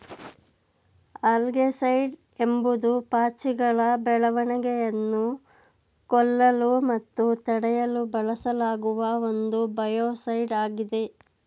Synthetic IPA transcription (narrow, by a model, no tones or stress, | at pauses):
aːlɡesɐjɖ | e̞mbud̪upaːt͡ʃiɡɐɭɐbɛɭɐʋɐɳɐɡɛjɐnːu | kɔlːɐlumɐt̪ːut̪ɐɽɛjɐlubɐɭɐsɐlaːɡuʋɐo̞nd̪ubɐjoːsɐjɖaːɡid̪e̞